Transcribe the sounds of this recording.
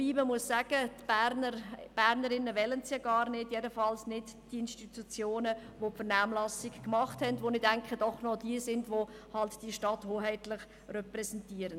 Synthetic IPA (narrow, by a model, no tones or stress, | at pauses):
iːməmuəsːæːɡ̥ətb̥æɾnəɾb̥æːɾnəɾɪnəʋɛlənsjaɡɑːɾnɪdjɛdəfɑlsnɪdd̥iɪnstitut͡sjoːnəʋopfəɾnaːmlɑsɪkkmɑχthɛndʋonɪdæŋkχəd̥ɔχnɔdiəsɪndʋohɑltd̥iəʃtɑthoːɦɛɪtlɪχ | rɛpɾɛsɛntiəɾən